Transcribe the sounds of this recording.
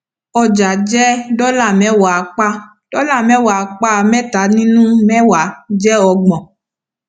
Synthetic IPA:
ɔ˨d͡ʒa˨d͡ʒɛ˦ɖɔ˦la˨mɛ̃˨˦wa˨k͡pa˦ | ɖ̥ɔ˦la˦˨mɛ̃˦wa˨k͡pa˦˨mɛ̃˦t̪a˨˦nĩ˦nũ˦mɛ̃˦wa˨d͡ʒɛ˦ɔ˨ɡ͡bɔ̃˨

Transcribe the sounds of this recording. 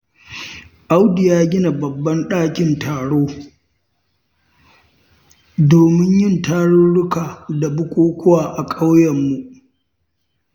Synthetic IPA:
ʔa˦wdɪ˨jaː˦ɡʲɪ˦na˨bɐ˨bːɐ˦nɗaː˦kʲɪ˨ntʰaː˨ɽoː˦ | doː˨mɪ˦ɲjɪ˦˨ntaː˦ɽʊ˦ɽʊ˦kaː˨da˨bʊ˦kʷʼoː˦kʷʊ˦waː˨ʔa˨kʼa˦wjɐ˨mːu˨ʔ

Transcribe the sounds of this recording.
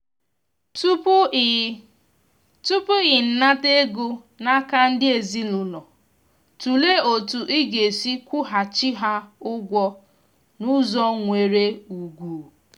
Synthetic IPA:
tu˦p | tu˦pu˦ɣɪ˨n̩˦na˦te˦ɡu˦ | na˦ka˦n̩˦dɪ˦e˨zi˦lʊ˨lɔ˨ | tu˨le˦o˨tu˨ʔi˦ɡe˨si˦kʷʊ˦ɦa˨t͡ʃi˦ɦa˦ʊ˦ɡʷɔ˦ | nʊ˦zɔ˦ŋʷe˨ɾe˦u˨ɡʷu˨

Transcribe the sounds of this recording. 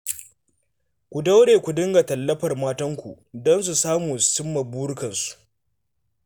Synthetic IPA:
kʷu˨da˦wɽeː˨kʷu˨dɪ˦ŋɡa˨tɐ˨lːɐ˦ɸɐ˨rmaː˦tɐ˦ŋkʷu˨ | dɔ˦ns̬u˨saː˦muː˨sʊ˦mːɐ˨buː˦ɽʊ˦kɐ˨nsu̥˨ʔ

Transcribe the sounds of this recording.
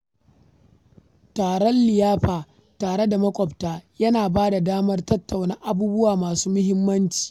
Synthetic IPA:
taː˨ɽɔ˦nlɪ˨jaː˦ɸaː˨ | taː˨ɽe˦da˨mɐ˦kʷʼɔ˨ptaː˦jɐ˦naː˨baː˦da˨daː˦mɐ˦rtɐ˦tːa˨wna˦ʔa˦buː˦bʊ˦waː˨maː˨suː˦mʊ˦hɪ˦mːɐ˦nt͡ʃi̥ː˨

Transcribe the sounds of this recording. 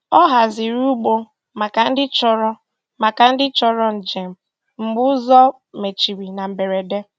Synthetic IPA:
ɔ˦ɦa˨zɪ˨ɾu˦ɡ͡bo˦ | ma˨ka˨n̩˦dɪ˦t͡ʃɔ˦ɾɔ˦ | ma˨ka˨n̩˦dɪ˦t͡ʃɔ˦ɾɔ˦n̩˨d͡ʒe˨m̩˨ | m̩˨ɡ͡bʊ˦zɔ˦ | me˨t͡ʃi˨ɾi˨na˨m̩˨be˨ɾe˨de˦

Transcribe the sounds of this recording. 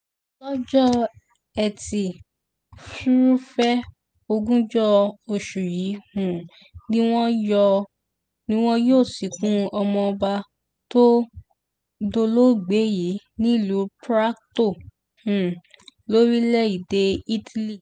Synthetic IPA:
lɔ˦d͡ʒɔ˦ | ɛ˨ti˨ | fu˦ɾu˦fɛ˦ | o˧ɡũ˦d͡ʒɔ˦o˧ʃu˨ji˨˦hũ˨ | nĩ˦w̃ɔ̃˦jɔ˧ | nĩ˦w̃ɔ̃˦joː˦˨si˨˦kũ˦ɔ˧mɔ̃˧ɔ˧ba˧ | to˦ | do˧lo˦˨ɡ͡be˨˦ji˨˦ | nĩ˦i˦˨lu˨˦pɾa˦kto˦˨ | hũ˨ | lo˦ɾi˦lɛ˦i˨de˨˦i˦tʰi˦li˦˨

